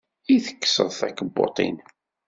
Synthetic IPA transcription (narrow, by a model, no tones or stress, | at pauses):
iθə̥kːsəðˤθækːəbːo̰t̪ˤḭn